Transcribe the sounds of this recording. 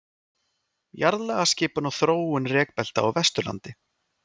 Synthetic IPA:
jaɾðlɛɣascɪːpʏnawθɾoːwʏnrɛːk̚pɛl̥t̪aawvɛst̪ʏla̰nt̪ɪ

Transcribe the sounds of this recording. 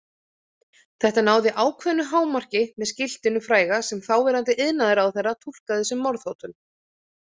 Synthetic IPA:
θɛht̪anaːwðɪʔaːwkʰvɛnːʏɦaːwmar̥cɪmɛðscɪl̥t̪ɪnːʏfɾaːjɣasɛmθawvɛːɾant̪ɪʔɪðnaðɪɾawθɛrːat̪ʰul̥kaðɪsɛmːɔɾðhowt̪ʏm

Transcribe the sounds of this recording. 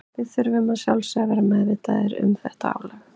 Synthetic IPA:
vɪðθʏɾvʏmasjawlsɛvɛɾamɛðvɪt̪aðɪɾʏ̰mθɛht̪aa̰ːwlɛɣ

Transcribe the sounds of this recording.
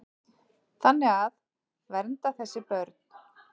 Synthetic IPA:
θanːɪɣað | vɛɾnt̪aθɛsːɪpœɾt̪n̥

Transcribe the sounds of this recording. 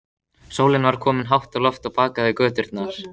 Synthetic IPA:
soːwlɪnvaɾ̥kʰɔːmɪnɦawht̪ɔlɔft̪ɔɣpaːkaðɪkœːt̪ʏɾt̪naɾ̥

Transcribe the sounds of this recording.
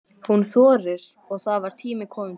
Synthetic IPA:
hunθɔːɾɪɾ̥ | ɔɣθaðvaɾ̥t̪ʰiːmɪkʰɔːmɪ

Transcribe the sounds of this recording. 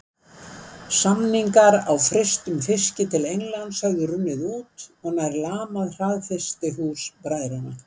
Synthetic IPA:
samniŋkaɾawfɾest̪ʏmfɪscɪt̪ʰɪlejŋlant̪sœɣðʏrʏnːɪðuːt̪ɔɣnajɾlaːmaðr̥aːðfɛst̪ɪɦuːspɾajðɾana̰

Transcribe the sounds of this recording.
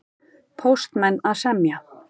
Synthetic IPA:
pʰowst̪mɛnːaðsɛmja

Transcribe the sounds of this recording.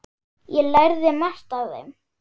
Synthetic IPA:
jɛlajɾðɪmast̪aððɛ̰m

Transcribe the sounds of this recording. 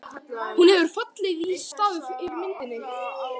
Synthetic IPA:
hunhɛvʏɾ̥fat̪lɪɣist̪aːðʏðɪɾmɪnt̪ɪnːɪ

